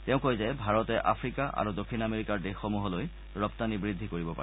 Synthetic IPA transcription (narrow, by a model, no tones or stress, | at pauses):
tɛʊ̃kojzɛbʱaɹɔtɛʔa̰pʰɹikaʔa̰ɹudokʰːinameɹikaɹdexomuɦɔloj | ɹɔptanibɹid̪ʱːikoɹibɔpa̰ɹɛ